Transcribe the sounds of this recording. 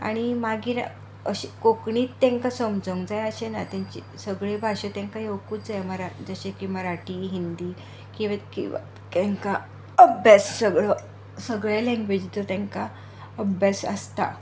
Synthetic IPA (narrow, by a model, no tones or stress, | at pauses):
a̰ɽ̃imaɡiːn | ə̰ɕikokɳiːt̪ːɛ̃ŋkasəmd͡zəŋɡd͡zajəɕenat̪jãɲt͡ɕḭ | səɡɭebʱaɕət̪jãŋkajewkuːd͡zajməɾad͡zəɕekimaɾaʈiːɦind̪iː | kĩʋakḭ̃ʋa̰ | kẽŋka | əbjassəɡɭə | səɡɭalɛ̃ŋɡʋed͡ʑt̪ət̪ɛ̃ŋka | əbʱjasə̰st̪a̰